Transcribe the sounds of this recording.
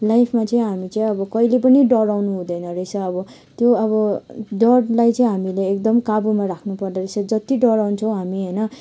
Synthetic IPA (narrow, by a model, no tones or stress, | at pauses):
lajpʰmat͡sʌĩɦamit͡sʌĩʌbʌkʌilepʌniɖʌɾawnuɦũd̪ʌjnʌɾesʰʌːbʌ | t̪joʌβʌɖʌɽlajt͡sʌĩɦamileek̚d̪ʌmkabumaɾakʰnupʌrd̪ʌɾesʰʌd͡zʌt̪iɖʌɾawnt͡sʰʌ̃w̃ɦamiɦʌjnʌ